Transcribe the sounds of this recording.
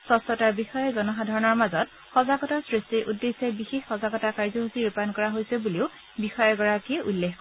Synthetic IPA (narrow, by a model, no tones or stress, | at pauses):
sɔstɔtaɹbixɔjɔzɔnɔɦadʱaɹɔnɔɹmazɔt | xɔzaɡɔtasɹistiʔudːesɛbixexːɔzaɡɔtakaɹzɔɦusiɹupankɔɹaɦojsɛbuliʊ | bixɔjɛɡɔɹakiʔulːexk